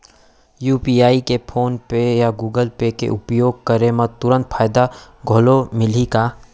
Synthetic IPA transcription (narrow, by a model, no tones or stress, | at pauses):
juːpiːaːikepʰoːnpejaɡuːɡəlpekḛʔʊpjoːɡ̚kɐɾemɐ̃t̪ʊɾə̃nt̪fʰaːɪd̪a | ɡʱoːlomɪlikaː